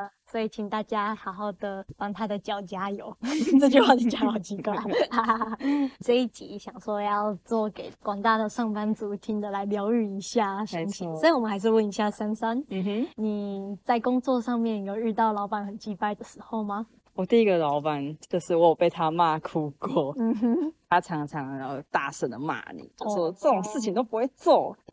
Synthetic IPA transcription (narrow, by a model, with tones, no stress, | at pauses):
ə˩swɔ˧˥i˨˩t͡ɕʰi˨˩ŋt̪a˥˩t͡ɕja˥xa˨˧˥ʊxɑ˥˩ʊd̪ə˩pɑ˥ŋt̪ʰa˥d̪ə˨t͡ɕjɑ˨˩ʊt͡ɕja˥jo˨˩ʊʈ͡ʂɤ˥˧t͡ɕy˥˧xwa˥˩ni˨˧t͡ɕjɑ˧˦ɑ˨˩ʊt͡ɕi˧˥kwa˥˩ɪ˧ | ʈ͡ʂɤ˥˧i˥˩t͡ɕi˧˥ɕjɑ˨˩ŋʂwɔ˥˧jɑ˥˧ʊt͡swɔ˥˩ke˨˩˦ɪkwɑ˨˩ŋt̪a˥˩d̪ə˨ʂɑ˥˩ŋpa˥nt͡su˧˥t̪ʰi˦˥ŋd̪ə˨la˨˧˥ɪljɑ˧˥ʊy˥˩i˧˥ɕja˥˩ʂə˧˥ŋt͡ɕʰi˨˧˥ŋsɔ˧˥i˨˩wɔ˨˩mə˦nxa˧˥ɪʂ̬ɻ̩˥˧wə˥˩ni˧˥ɕja˥˨sa˥nsa˥˦n̩˨˩ni˨˩t͡sa˥˩ɪkʊ˥ŋt͡swɔ˥˧ʂɑ˥˧ŋmjɛ˥˩njo˨˩ʊɻ̩˥˧t̪ɑ˥˩ʊlɑ˧˥ʊpa˨˩nxə˨˩nt͡ɕi˧˩pa˥˩ɪd̪ə˩ʂɻ̩˧˥xo˥˩ʊma˨ | wɔ˨˩t̪i˥˩i˧˥ɡə˨lɑ˧˥ʊpa˨˩˦nt͡ɕo˥˧ʊʂɻ̩˥˩wɔ˧˥˨pe˥˩ɪt̪ʰa˦˥ma˥˧kʰu˥kɔ˥˩˥t̪ʰa˥ʈ͡ʂʰɑ˧˥ŋʈ͡ʂʰɑ˧˥ŋə˧˩t̪a˥˧sə˥˩d̪ə̰˩ma̰˥˩nḭ˨˩t͡ɕo˥˩˥ʂɔ˥t͡sə˥˩ʈ͡ʂo˨˩ŋʂɻ̩˥˩t͡ɕʰi˨ŋt̪o˥ʊpu˧˥xwe˥˧ɪt͡swɔ˥˩